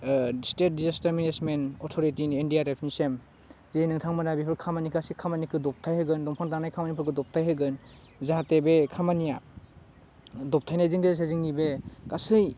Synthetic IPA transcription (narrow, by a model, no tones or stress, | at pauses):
stet̚dizastaɾminesmenɔtʰoɾitiniendijaɾepʰnisem | zenɯŋtʰaŋmanabipʰɯkʰamanikʰasikʰamanikʰɯdɔp̚tʰajhɯɡɯndɔmpʰaŋtanajkʰamanipʰɯkʰɯdɔp̚tʰajɦɯɡɯn | zaatebekʰamanija | dɔp̚tʰajnajzɯŋdes̬eziŋnibekasɯj